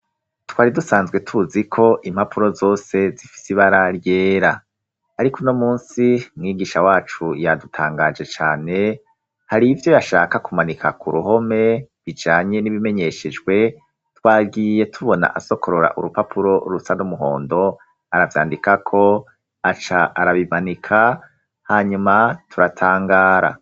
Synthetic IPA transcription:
twaːɾidusaːnzɡwe̞tʰuzikʰo̞ʔimhapʰuɾo̞zo̞ːse̞zifi̥siβaɾaɾje̞ːɾaː | ɾikono̞muːnsimŋiːɡiːʃawaːt͡ʃujadutʰaːŋɡad͡ʒe̞t͡ʃaːne̞ | haɾivjo̞jaʃaːkakumanikʰa̰kuɾuɦo̞me̞βid͡ʒaːɲe̞niβime̞ɲe̞ʃed͡ʒɡwe̞ | twaːɡiːje̞tʰuβo̞na̰ʔaso̞kʰo̞ɾoɾa̰ʔuɾupapʰuɾo̞ɾusanumuɦo̞̰ːndo̞ | aɾavja̰ːndikakʰo̞ | at͡ʃaaɾaβimanikʰa | haɲumatʰuɾatʰaːŋɡaːɾa̰

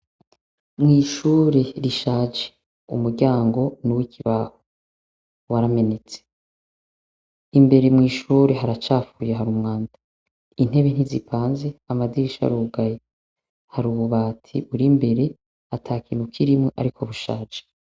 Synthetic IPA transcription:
mŋiːʃuːɾe̞ɾiʃaːd͡ʒe̥ | ṵmuɾɟaːŋɡo̞nuwikʰiβaho | waɾame̞net͡se | imbe̞ɾe̞mŋiːʃuːɾe̞ɦaɾat͡ʃaːfujeɦaɾumŋaːndḁ | in̥he̞βen̥izipʰaːnze̞amadiɾiʃa̰ɾuːɡaje | haɾuβuβaːtʰiβuɾimbe̞ɾe̞ | atʰaːkiːn̥hukʰiɾimŋeʔa̰ɾikʰo̞βuʃa̰ːd͡ʒe

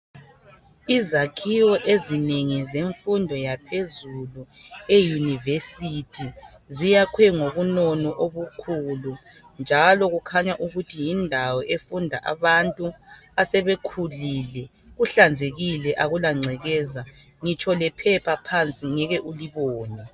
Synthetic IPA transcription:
izakʰiwɔʔezineŋizeɱfundʱɔjapʰezuluejunivesitʰi | zijakʰwɛŋoβunɔnɔʔoβukʰulu | nd͡ʒʱalɔɣukʰaɲaʔuɣutʰijindʱawɔʔefundʱaʔa̰βantʼuasɛβekʰuliːlɛ | ɣuɬand͡zʱeɣilɛʔaɣulaŋ͡ǀʱɛɣɛːza | ŋit͡ʃʰʼɔlɛpʰɛpʰapʰant͡sʼiŋɛɣɛʔuliβɔːnɛ

